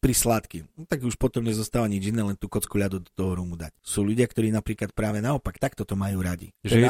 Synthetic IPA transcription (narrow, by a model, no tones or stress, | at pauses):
pɾislaːt̪kit̪aɡuʃpɔt̪ɔmɲɛzɔst̪aːʋaɲid͡ʒinːɛːlɛnt̪uːkɔt͡skuʎad̪ud̪ɔ̥t̪ɔɦɔɾumud̪a̰csuːʎuɟɪakt̪ɔɾiːnapɾiːklat̪̚pɾaːʋɛnaɔpakt̪akt̪ɔt̪ɔmajuːɾaɟḭʒɛɛ